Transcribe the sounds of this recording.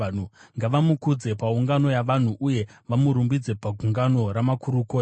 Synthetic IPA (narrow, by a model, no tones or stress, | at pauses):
uŋɡaʋamukud͡ze̞pauŋɡano̞jaʋan̤uʔuje̞ʋamuɾumbid͡ze̞paɡʱuŋɡano̞ɾamakuɾukoː